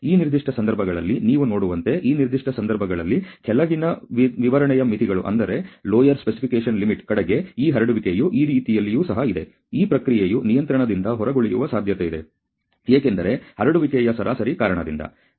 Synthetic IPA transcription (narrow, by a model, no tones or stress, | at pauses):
iːniɾd̪ʱiʂʈɐsɐnd̪ɐɾbʱɐɡɐɭɐlːiniːʋuno̞ːɽuʋɐnt̪e̞ʔiːniɾd̪ʱiʂʈɐsɐnd̪ɐɾbʱɐɡɐɭɐlːikʰɛlɐɡinɐʋiʋɐɾɐɳɛjɐmit̪ʰiɡɐɭṵʔɐ̰nd̪ɐɾe̞loːjɐɾspesipikeːʂɐnlimiʈkɐɽɐɡe̞iːɦɐɾɐɽuʋikejuʔiːɾiːt̪ijɐlːijuːsɐɦɐid̪e̞ | iːpɾɐkɾijejunijɐnt̪ɾɐɳɐd̪ind̪ɐɦɔɾɐɡoɭijṵʋɐsaːd̪ʱjɐt̪eid̪e̞ | eːkend̪ɐɾe̞hɐɾɐɽuʋikɛjɐsɐɾʔaːsɐɾiːkaːɾɐɳɐd̪ḭnd̪ɐ̰